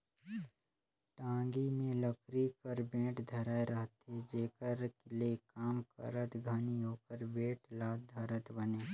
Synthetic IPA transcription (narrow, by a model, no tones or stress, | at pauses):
ʈãːŋɡimẽləkɾikəɾbẽːʈd̪ʱəɾaːeɾəɦət̪ɦed͡ʒeːkəɾklekaːmkə̰ɾət̪ɡʱəniɦoːkəɾbeːʈlaːd̪ʱəɾət̪bəneː